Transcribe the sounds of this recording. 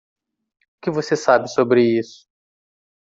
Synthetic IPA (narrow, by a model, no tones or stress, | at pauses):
ʊkɪvosesabɪsobɾɪisʊ̥